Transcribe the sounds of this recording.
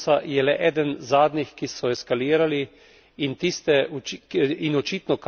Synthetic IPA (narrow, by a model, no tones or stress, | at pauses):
sajɛlɛʔɛːd̪ənzaːd̪nixkisɔɛskaliːɾali | int̪ist̪ɛ | inɔt͡ʃiːt̪nɔk